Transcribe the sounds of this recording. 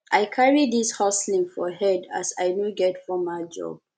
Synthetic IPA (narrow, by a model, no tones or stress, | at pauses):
ʔajkʰaɹidishaslĩŋfɔhɛda̰saɪnuɡɛtfɔmaɪd͡ʒɔ̰b̚